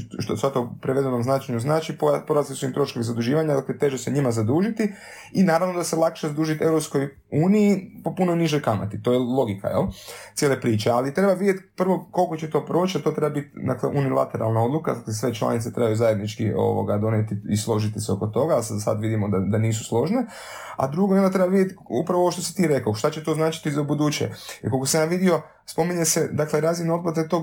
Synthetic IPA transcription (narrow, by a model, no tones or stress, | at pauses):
ʃt̪osʋat̪opɾeʋe̞d̪enomznat͡ʃeɲuznaːt͡ʃipopoɾaslisuimt̪ɾo̞ʃkoʋizad̪uʒiːʋaɲad̪aklet̪e̞ʒeseɲimazad̪uːʒit̪i | inaːɾaʋno̞d̪ase̞lˠakʃezad̪uːʒit̪e̞ʋɾopskoj | uːnijipo̞punojniʒo̞jkama̰t̪it̪o̞jelˠo̞ɡika̰jelt̪sjelepɾiːt͡ʃealit̪ɾe̞baʋid̪jet̪pr̩ʋo̞kolko̞t͡ɕet̪o̞ːpɾo̞ːt͡ʃat̪o̞t̪ɾe̞babit̪d̪a̰klḛʔunilˠa̰t̪eɾʔa̰lˠnao̞d̪luka̰d̪aklesʋe̞t͡ʃlˠa̰nit̪set̪ɾebajuzaje̞d̪nit͡ʃkio̞̰ʋo̰ɡad̪o̞net̪iislˠo̞ʒit̪iseo̞kot̪o̞ɡassa̰d̪ʋid̪imod̪ad̪aniːsu̥slˠo̞ʒne | a̰d̪ɾuɡojond̪ot̪ɾebaʋid̪jet̪ṵpɾaʋooʋoʃt̪o̞si̥t̪iːɾe̞kaʃt̪at͡ɕet̪o̞znaːt͡ʃi̥t̪izaubud̪uːt͡ʃḛjɛ̰kolkosiaʋid̪io̞ | spo̞miɲesed̪akleɾazinod̪pat̪akt̪o̞ː